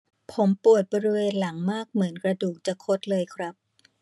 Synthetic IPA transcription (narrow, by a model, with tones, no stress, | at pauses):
pʰo˩˦mpu˨˩ət̪̚bɔː˧ɾi˦˥weː˧nla˩˦ŋmaː˥˩k̚mɯ˩˦ənkɾa˧duː˨˩k̚t͡ɕa˨˩kʰo˦˥t̪̚lɤː˧jkʰɾa˦˥p̚